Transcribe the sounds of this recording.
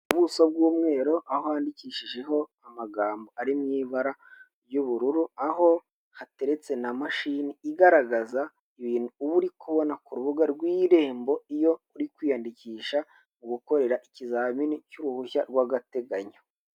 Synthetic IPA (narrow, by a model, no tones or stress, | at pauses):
uβusob̚ɡuːmŋe̞ːɾo̞ʔahoaːndiciːʃiʒe̞ɦo̞amaɡaːmbo̞aɾimŋiːβaɾa | ɾjuβuɾuɾuaɦo̞ | hate̞ɾe̞t͡se̞namaʃiːniːɡaɾaɡaza | iβiːnuːβuɾikuβo̞nakuɾuβuɡaɾɡwiːɾe̞ːmbo̞ijo̞uɾikwiːjandiciːʃa | muɡuko̞ɾe̞ɾaʔicizaminicuɾuhuçaɾɡwaɡate̞ɡaɲo